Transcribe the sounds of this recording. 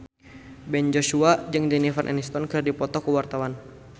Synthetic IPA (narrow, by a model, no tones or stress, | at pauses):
bɛnd͡ʒosuad͡ʒɨŋdɛnifanʔɛ̰nist̪ɔnkɨrdipɔt̪ɔkuwart̪awan